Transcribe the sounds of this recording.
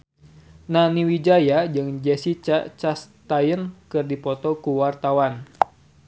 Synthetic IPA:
naniwid͡ʒajad͡ʒɨŋd͡ʒɛsit͡ʃt͡ʃast̪ajənkɨrdipɔt̪ɔkuwart̪awan

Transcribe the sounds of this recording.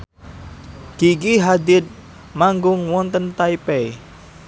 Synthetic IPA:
ɡ̥iɡiɦad̪ɪt̪̚ | maŋɡʊŋwɔnt̪ənt̪aipɛi

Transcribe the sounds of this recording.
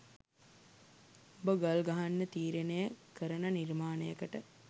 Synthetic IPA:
obəɡalɡaɦanːət̪iːɾenəjəkəɾənɐnirmaːnəjəkəʈə

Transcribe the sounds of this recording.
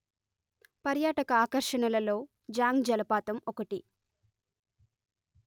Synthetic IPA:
pɐɾjaːʈɐkɐaːkɐɾʂɐɳɐlɐlo̞ː | d͡ʒaːŋɡd͡ʒɐlɐpaːt̪ɐmɔkɐʈi

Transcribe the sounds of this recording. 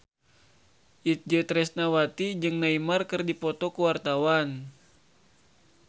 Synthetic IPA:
ʔit̪̚d͡ʒət̪ɾɛsnawat̪id͡ʒɨŋnaimarkɨrdipɔt̪ɔkuwart̪awan

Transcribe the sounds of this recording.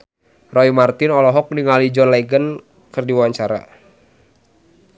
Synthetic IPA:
rɔimart̪ɪnɔlɔɦɔk̚niŋalid͡ʒɔnlaɡən | kɨrdiwwaɲt͡ʃaɾa̰

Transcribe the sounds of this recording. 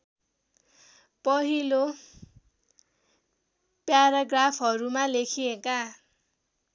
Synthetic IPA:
pʌɦilo | pjaɾaɡrapʰɦʌɾumalekʰieka

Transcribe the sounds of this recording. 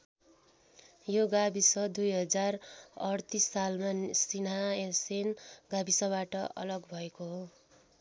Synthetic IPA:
joɡabisʌd̪ujɦʌd͡zarʌrt̪isːalmasinaesenɡabisʌbaʈʌʔʌ̰lʌɡbʱʌekoɦo

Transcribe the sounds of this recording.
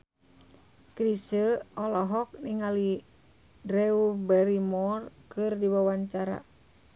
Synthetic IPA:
kɾisəɔlɔɦɔk̚niŋali | dɾɛubɛɾimɔrkɨrdiwawaɲt͡ʃaɾa̰

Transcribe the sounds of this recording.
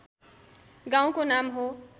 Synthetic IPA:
ɡãw̃konamɦo

